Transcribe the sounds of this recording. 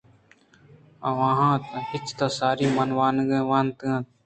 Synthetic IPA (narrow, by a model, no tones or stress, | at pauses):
aãːɦãːt̪pɪt͡ʃt̪asaːɾiːmənʋaːnɡẽʋaːnt̪ɨã